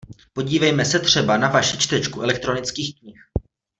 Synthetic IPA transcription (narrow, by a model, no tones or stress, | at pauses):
po̞ɟiːvɛjmɛsɛt̪r̝̥ɛbanavaʃɪt͡ʃt̪ɛt͡ʃkuɛlɛk̚t̪ɾo̞nɪt͡skiːxkɲɪx